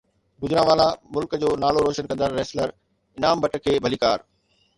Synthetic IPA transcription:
ɡʊd͡ʑɪɾãʋaːlamʊlkd͡ʑoːnaːloɾoːʃənkɐ̃nd̪əɾːɛːsləɾ | ɪnaːmbʱɐʈəkʰeːbʱɐliːkaːɾ

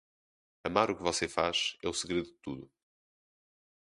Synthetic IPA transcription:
ɐmaɾukɨvɔsefaʃɛusɨɣɾeðuðɨt̪uðu

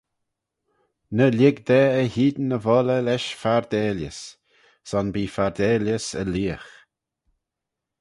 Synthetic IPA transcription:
nəlʲɪɡd̪ɛəhiːd̪nəvɔləlɛʃfaɾd̪eːljə̰s | sɔnbiːfaɾd̪eːljəsə̰liːəx

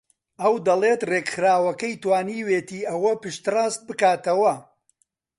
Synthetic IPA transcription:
ɐwd̪ɐleːt̪reːkxɨɾaːwɐkɐjt̪waːniːweːt̪iːʔɐwɐpɨʃt̪ɨraːst̪̚bɨkaːt̪ɐwɐ

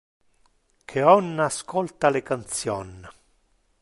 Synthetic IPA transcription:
kʰeɔnːaskɔlt̪alekant̪sjɔnː

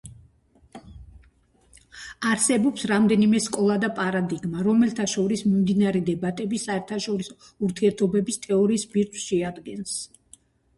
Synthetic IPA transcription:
aɾsɛbɔpsɾamd̪ɛnimɛskʼɔlˠad̪apʼaɾad̪iɡmaɾɔmɛlt̪ʰaʃɔɾismimd̪inaɾɛd̪ɛbat̪ʼɛbisaɛɾt̪ʰaʃɔɾisɔ | uɾt̪ʰiɛɾt̪ʰɔbɛbist̪ʼɛɔɾiːsbiɾt̪ʰwsʃɛad̪ɡɛns

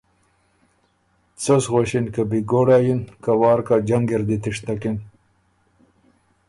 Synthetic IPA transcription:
t͡sosɣoɕinkabiɡoːɽaːjinkawɑːɾkad͡ʑaŋɡeɾd̪it̪iʂt̪akin

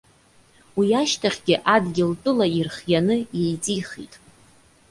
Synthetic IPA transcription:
wiaʃtʰaχʲɡʲɪʔadɡʲɪltʼɨlairχjanɨje̞jt͡sʼiχḭtʼ

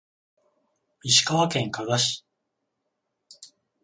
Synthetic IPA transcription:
mʲiɕi̥kaβakẽ̞ŋkaɡaɕi̥

